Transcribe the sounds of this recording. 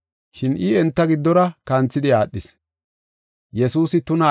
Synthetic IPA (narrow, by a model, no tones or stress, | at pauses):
ʃɪnɪɛnt̪ːɐɡɪd̪ːɔɾɐkɐnt͡sːɪd̪ɪjaːɗːɪs | jɛsuːsɪt̪ʊnɐ